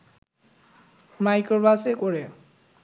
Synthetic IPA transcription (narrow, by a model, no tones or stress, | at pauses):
majkɔɹbasekɔɹɛ